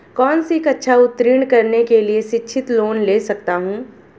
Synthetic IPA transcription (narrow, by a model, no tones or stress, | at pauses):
kɔːnsekɐtːʃʰaʊt̪ːɾiːɽ̃kɐɾnekelieʃɪtːʃʰɪt̪loːnleːsɐk̚t̪aɦũː